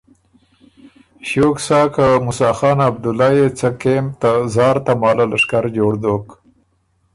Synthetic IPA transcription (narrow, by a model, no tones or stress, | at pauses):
ʃoːksɑːkamʊsɑːxɑːnab̚d̪ʊlɑːjet͡sakemt̪azɑːɾt̪amɑːlalaʂkaɾd͡ʒoːɽd̪oːk